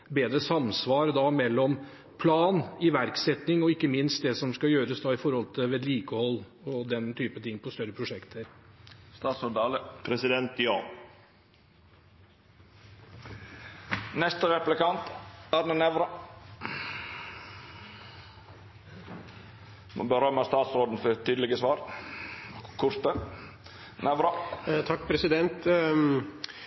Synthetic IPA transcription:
beːd̪ɾəsɑmsʋɑːɾəd̪ɑmɛlːɔm | pʰlɑːnɪʋæɾksɛt̪nɪŋɔɪkːəmɪnst̪̚d̪ɛsɔmskɑjøːɾəsd̪ɑɪfɔɾhɔlt̪ʰɪʋeːd̪liːkəhɔlː | ɔd̪ɛnt̪ʰyːpət̪ʰɪŋːpʰɔst̪œɾːəpʰɾʊʂɛkt̪ʰəɾst̪ɑːt̪sɔɖ̪ɑːləpʰɾɛsɪd̪ɛnt̪jɑːn | nɛst̪əɾɛplɪkɑnt̪æɾnənɛʋɾɑ | mo̰bəɾœməst̪ɑːt̪sɾoːd̪n̩fɔɾt̪yːd̪əlɪɡəsʋɑːɾ | kʰʊɾt̪ə | nɛʋɾɑt̪ʰɑk̚ːpʰɾɛsɪd̪ɛnt̪

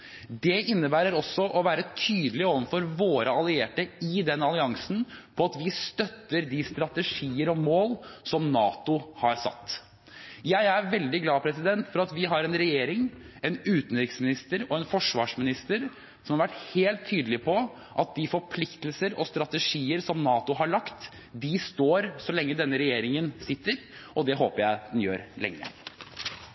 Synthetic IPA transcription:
d̪ɛʔɪnːəbæːɾəɾɔsːɔʔɔʋæːɾət̪ʰyːd̪əlɪoːʋənfɔɾʋoːɾəɑlɪeːʈəɪd̪ɛnːɑlɪɑŋsn̩pʰɔɑt̪ʋɪst̪œt̪ːəɾd̪ɪst̪ɾɑt̪əʂiːəɾɔmoːlsɔmnɑːt̪ʊhɑɾsɑ̰t̪ː | jæɪæɾʋɛld̪ɪɡlɑːpʰɾɛsɪd̪ɛnt̪fɔɾɑt̪ʋɪɦɑɾɛnɾɛjeːɾɪŋ | ɛnʉːt̪n̩ɾɪksmɪnɪst̪əɾɔɛnfɔʂʋɑːʂmɪnɪst̪əɾ | sɔmhɑɾʋæʈːheːlt̪ʰːyːd̪əlɪpʰɔ | ʔɑt̪̚d̪ɪfɔɾpʰlɪkt̪əlsəɾɔst̪ɾɑt̪əʂiːəɾsɔmnɑːt̪ʊɦɑɭɑkt̪ | d̪ɪst̪oːɾsɔlɛŋːəd̪ɛnːəɾɛjeːɾɪŋənsɪt̪ːəɾʔɔd̪ɛɦoːpəɾjæɪd̪ɛnjø̰ːɾlɛ̰ŋːə̰

